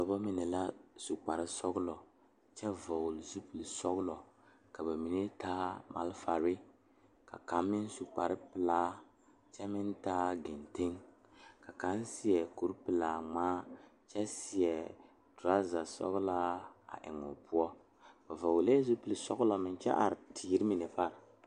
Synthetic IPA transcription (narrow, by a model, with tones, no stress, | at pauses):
tɔ˨bɔ˦mi˨nɛ˨la˦su˨k͡pa˨ɾɪ˦sɔ˦ɡʊ˦lɔ˨ | t͡ʃɛ˦vɔ˨wlzu˦pɨ˨lsɔ˦ɣʊ˦lɔ˨ | ka˨ba˨mi˨ne˦taː˦ma̰˨lfa˨ɾɪ˦ | ka̰˨ka˨mːɪ˦n˦su˨k͡pa˨ɾɪ˦pɨ˨laː˦ | t͡ʃɛ˦mɪ˦n˦taː˦ɡɪ˨nte˦ŋ | ka˨ka˨˦nsi˦ɛ˨ku˨ɾpɨ˨la˨ŋ͡maː˦ | t͡ʃɛ˦sɪ˨ɛ˨ | tɾa˦za˨sɔ̰˦ɣla˦a̰˨ʔɪ̰˨ŋʊ̰˨pu˦ɔ˦ | ba˨vɔ˨wlɛ˦zu˦pɨ˨lsɔ̰˦ɡlɔ˨mɪ˨n˦t͡ʃɛ̰˦ʔa̰˨ɾtʰi˨i˦ɾɪ˦mi˨nɛ˨pa˦˨ɾ